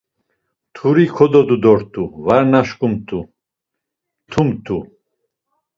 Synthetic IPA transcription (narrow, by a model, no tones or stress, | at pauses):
t̪ʰuɾikʰɔd̪ɔd̪ud̪ɔɾt̪ʰuvaɾnaʃkʼumt̪ʰu | t̪ʰumt̪ʰu